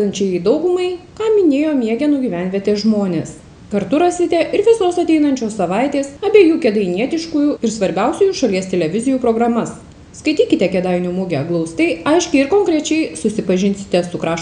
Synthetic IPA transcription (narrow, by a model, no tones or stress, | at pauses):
ɐnʲt͡ʃʲɛjid̪ɒʊɡʊmɐɪkɑːmʲɪnʲeːjoːmʲiɛɡʲɛnuːɡʲiːʋʲænʲʋʲiɛt̪ʲeːʒmoːnʲeːs | kɐɾt̪ʊɾɐsʲɪt̪ʲɛʔɪɾʋʲɪsoːsɐt̪ʲɛɪnɐnʲt͡ʃʲoːssɐʋɐɪt̪ʲeːsɐbʲeːjuːkʲɛd̪ɐɪnʲiɛt̪ʲɪʃkuːjuːɪɾsʋɐɾʲbʲɛʊsʲʊjuːʃɐlʲiɛst̪ʲɛlʲɛʋʲɪzʲɪjuːpɾoːɡɾɐmɐs | skɐɪt̪ʲiːkʲɪt̪ʲɛkʲɛd̪ɐɪnʲumuɡʲɛɡlˠɐʊst̪ʲɐɪɐɪʃʲkʲɪɪɾkoːŋkɾʲɛt͡ʃʲɛɪsʊsʲɪpɐʒʲɪnʲsʲɪ̥t̪ʲɛsʊkɾɑːʃ